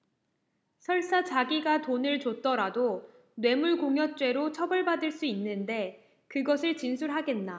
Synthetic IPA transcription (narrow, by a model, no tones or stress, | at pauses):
sʰʌɭs͈at͡ɕaɡiɡatonɯɭt͡ɕot͈ʌɾado | nwe̞muɭkoŋjʌt͡ɕ͈we̞ɾot͡ɕʰʌbɯɭbadɯɭs͈uinːɯnde̞ | kɯɡʌsʰɯɭt͡ɕinsʰuɾɦaɡe̞nːa